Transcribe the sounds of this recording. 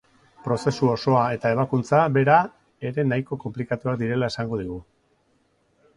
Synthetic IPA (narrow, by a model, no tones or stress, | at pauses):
pɾo̞se̞suo̞so̞ae̞t̪ae̞β̞akunt͡saβe̞ɾa | e̞ɾe̞najko̞ko̞mplikat̪uakd̪iɾe̞lae̞saŋɡo̞ðiɣ̞u